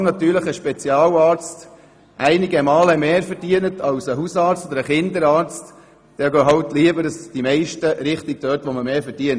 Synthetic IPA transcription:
nɑt̪yːɾləχəʃpɛt͡siɑːwɑːɾt͡st | ʔæɪnɪɡəmɑːləmeːɾfɛɾdiənətʰɑwsəɦusɑːɾt͡st̪od̥̪əɾəχɪnd̪əɾɑːɾt͡st | d̥ɛːɡœːɦɑwtliəbəɾɑsd̥imɛɪʃtəɾɪχtɪk̚d̥œːtʋɔməmeːɾfɛɾd̥iən

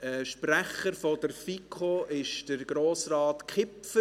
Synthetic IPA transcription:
ɛʃpræχəɾfɔdəɾfikʰoɪʃd̥əɾɡ̥ɾoːsrɑːtkχɪpfə

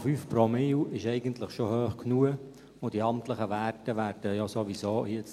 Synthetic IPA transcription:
fyːfpɾomɪwɪʃɛɪɡəntləχʃohøːχknuə | ʊdiɑmt̪ləχəʋæːrtəʋæːɾd̥əjɔsoʋisoːjɪt͡s

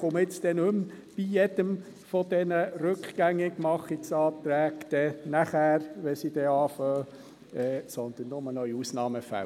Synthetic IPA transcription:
ʊmɪt͡st̪ɛnʉm | b̥ijɛd̥̪əm | fɔd̪̥ɛnəɾʉkχɡ̥æŋːɪɡmɑχiksɑːt̪ɾæːkd̪̥ɛnæχæːɾʋɛsid̥̪ɛɑːfœː | ɛːsɔnd̪ənːʊmənœʏusnɑːməfæ̰

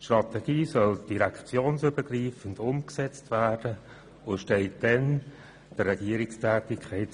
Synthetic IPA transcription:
ʃtrɑt̪ɛɡ̥iːsœld̥iɾɛkt͡sjoːnsøbəɡriːfən̩dʊmksɛt͡stvæːd̥ə | ʊʃtɛɪt̚d̥ɛn | d̥ərːɛɡ̥iːəɾɪkstʰæːtɪkʰχɛɪt

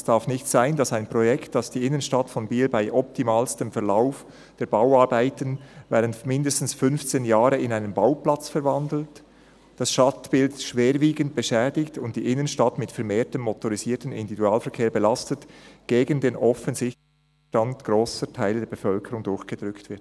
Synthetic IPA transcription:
sd̥aʁfnɪçtz̥aɪndɑsaɪnpʁɔjɛktd̥ɑsd̥iːɪnənʃtatfɔnbiːlbaɪʔɔp̚tʰimaːlstəmfɛɐlaʊf | d̥eːɐbaʊɑɾbaɪtənvɛːʁəntmɪndəstn̩sfʏnft͡seːnjaːʁəɪnaɪnənbaʊplɑt͡sfɛɐɾvandl̩t | d̥ɑsʃtɑtb̥ɪltʃveːɾviːɡənt̚b̥əʃɛːdɪktʊntd̥iːʔɪnənʃtatmɪtfɛɐɾmeːtəmːɔtɔʁiziːtən̩ɪ̰ndividuaːlfɛɐkʰeːɐbɛlastətɡ̥eːɡəndeːnʔɔfənzɪçt | tantɡ̥ʁoːsətʰaɪldeːɐbefœlkʰəʁʊŋdʊɹçɡ̥əd̥ʁʏktv̥ɪɐt

